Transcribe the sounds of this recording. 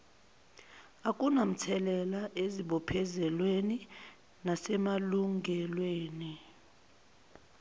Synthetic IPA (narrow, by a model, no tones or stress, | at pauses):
ak̬ʼunam̩t͡sʰɛlɛlaʔeziɓɔpʰɛzɛlweni | nasɛmaluŋɡʱɛlweːni